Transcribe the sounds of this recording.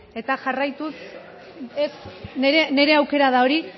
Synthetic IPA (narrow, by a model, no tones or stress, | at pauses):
e̞t̪aʝarajt̪us | esneɾene̞ɾe̞awke̞ɾað̞ao̞ɾi